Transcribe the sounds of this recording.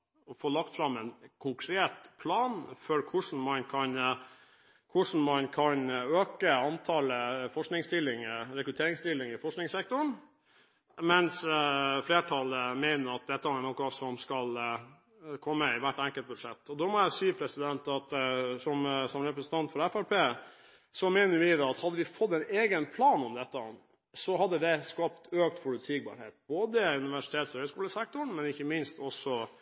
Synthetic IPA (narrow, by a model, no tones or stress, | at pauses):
ɔfoːlɑkt̪fɾɑmːɛnkʰʊŋkʰɾeːt̪pʰlɑːnfœɾkʰʊʂɳn̩mɑnkʰɑn | kʰʊʂɳn̩mɑnkʰɑnøːkəɑnt̪ʰɑləfɔʂknɪŋst̪ɪlːɪŋəɾɛkɾʉt̪ʰeːɾɪŋst̪ɪlːɪŋɪfɔʂknɪŋsɛk̚t̪ʊɳ | mɛnsfleːʈʰɑləmeɪnəɾɑt̪̚d̪ɛt̪ːəæænɔkːɑsɔmskɑl | kʰɔmːəɪʋæʈːɛŋkəlt̪̚bʉd̪ʂɛt̪ːɔd̪ɔmɔæsiːəpʰɾɛsɪd̪ɛnt̪ɑt̪sɔmsɔmɾɛpɾəsənt̪ʰɑnt̪fɔɾɛfæɾpʰeː | sɔmɛɪnəɾʋɪd̪ɛɑt̪hɑd̪ːəʋɪfɔt̪ːɛɪneːɡənpʰlɑːnɔmd̪ɛt̪ːə | sɔɦɑd̪ːəd̪ɛskɑpt̪øːk̚t̪pʰʊlʉt̪ʰiɡbɑ̰ːɾhḛːt̪̚b̥oːd̪əʉnɪʋæʂɪt̪ʰeːt̪sɔhœːʏskuːləsɛk̚t̪ʊɳmɛnɪçːəmɪnst̪ɔsːɔ